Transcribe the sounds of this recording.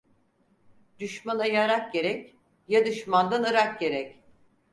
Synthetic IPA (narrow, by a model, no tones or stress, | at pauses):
d̪̥yʃmanajaɾak̚ɟe̞ɾɛc | jad̪ɯʃmand̪anɯɾak̚ɟe̞ɾɛc